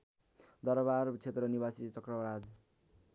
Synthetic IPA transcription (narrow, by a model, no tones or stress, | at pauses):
d̪ʌɾbart͡sʰet̪rʌnibasit͡sʌkrʌɾad͡z